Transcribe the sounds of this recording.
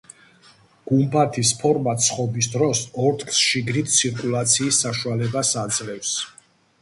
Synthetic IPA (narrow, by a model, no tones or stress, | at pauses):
ɡ̥umpʰat̪ʰispʰɔɾmat̪sʰχɔbis̬d̪ɾɔsɔɾt̪ʰkʰsʃiɡɾit̪̚ʰsʰiɾkʼulˠat̪sʰiːsːaʃualɛbasad̪zlɛfs